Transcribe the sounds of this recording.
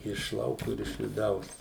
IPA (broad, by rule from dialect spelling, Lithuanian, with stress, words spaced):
ɪʃ ˈlˠɐʊkʊ ɪr ɪʃ ʋʲɪˈdɐʊs